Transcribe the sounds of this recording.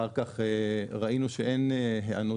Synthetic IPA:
aʁkaχeʁaʔinuʃeeneɦeanu

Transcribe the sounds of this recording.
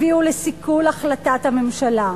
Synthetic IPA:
iulesikulaχlatathame̞mʃala

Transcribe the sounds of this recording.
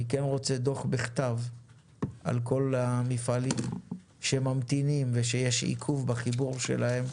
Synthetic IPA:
ikenʁo̞t͡sed̪o̞χbiχt̪av | ʔa̰lko̞lamifalim | ʃemamt̪inimveʃejeʃḭkʰuvbaχibuʁʃḛlahe̞m

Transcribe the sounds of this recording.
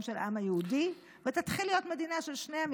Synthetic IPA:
mʃelʔamhajeudi | vet̪at̪χilːijo̞t̪med̪inaʃe̞lʃnejam

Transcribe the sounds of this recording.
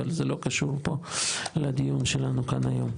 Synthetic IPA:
alzelo̞kaʃuʁpolad̪ijunʃelanukanajo̰m

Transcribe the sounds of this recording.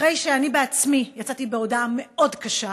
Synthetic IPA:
ʁejʃeanibeat͡smijat͡satibeodame̞o̞dkaʃa

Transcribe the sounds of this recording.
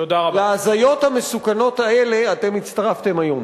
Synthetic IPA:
tod̪aʁaleaːzajo̞thame̞sukano̞tae̞le̞ate̞mit̪t͡st̪aʁaft̪e̞majo̞m

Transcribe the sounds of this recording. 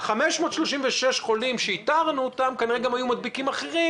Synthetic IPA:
χameʃmo̞t̪ʃlo̞ʃimveʃeʃχo̞limʃeit̪aʁnuot̪amkaniʁeɡamajumad̪̚bikimaχeʁi

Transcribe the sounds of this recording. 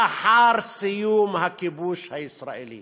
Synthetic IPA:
aħaːɾˤsɪjuːmhakːibuːʃhajɪsɾˤa̰ʔilḭː

